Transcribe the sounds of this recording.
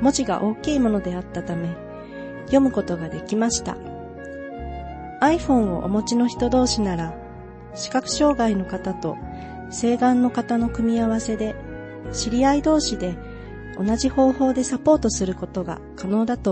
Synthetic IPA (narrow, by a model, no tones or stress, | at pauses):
mo̞t͡ɕiɡa̰ʔo̞ːkʲiːmo̞no̞d̪e̞at̪ːat̪ame̞ | jo̞mɯ̟ko̞t̪o̞ɡad̪e̞kʲimaɕi̥t̪a̰ | aiɸõ̞ɰ̃o̞̰ʔo̰mo̞t͡ɕino̞çi̥t̪o̞d̪o̞ːɕinaɾa | ɕi̥kakɯ̟̥ɕo̞ːɡaino̞kat̪at̪o̞ | se̞ːɡãnːo̞kat̪ano̞kɯ̟mʲiaβ̞ase̞d̪e̞ | ɕiɾʲiaid̪o̞ːɕid̪e̞ | o̞naʑiho̞ːho̞ːd̪e̞sapo̞ːt̪o̞sɨɾɯ̟ko̞t̪o̞ɡa̰ | kano̞ːd̪at̪o